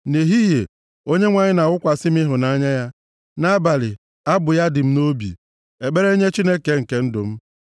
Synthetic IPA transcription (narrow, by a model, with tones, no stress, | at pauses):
ne˨ɦi˦ɦe˨ | o˦ɲe˦ŋʷa˨ɲɪ˦na˨ʊ˦kʷa˨sɪ˦m˦ɪ˦ɦʊ˨na˦ɲa˦ja˦ | na˦ba˨lɪ˨ | a˦bʊ˨ja˦dɪ˨m̩˦no˦bḭ˨ | e˨ɡ͡be˦ɾe˦ɲe˦t͡ʃi˦ne˦ke˨ŋ̩˨ke˨n̩˦dʊ˨m̩˦